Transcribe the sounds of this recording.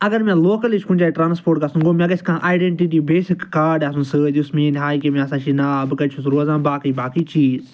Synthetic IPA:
ɐɡɐɾmẽːloːkɐlit͡ʃʰkũnt͡ʃaːiʈɾaːnspʰoːɾʈ̚kasũɡoːmẽkɐsʲkãːʔaːjɖeɳʈiʈ̬iːbeːsɪkːaːɖaːsũnsɨd̪ismĩːnɦaːikemẽɐsãːt͡ʃʰinabɨkɐt͡ʃʰusɾoːzãːbaːkəibaːkit͡ʃiːz

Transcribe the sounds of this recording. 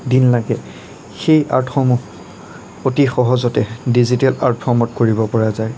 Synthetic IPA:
dinlaɡɛ | xejʔa̰ɹtʰxɔmu | otixɔɦɔzɔtɛdizitɛlaɹtfʰɔmɔtkoɹibɔpɔɹazaj

